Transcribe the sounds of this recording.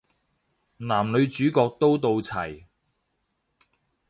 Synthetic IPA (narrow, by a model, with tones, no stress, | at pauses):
naː˨˩mlɵ˨˧ɥt͡ʃyː˨˥kɔː˧k̚t̪o˥wt̪o˧wt͡sʰɐ˨˩j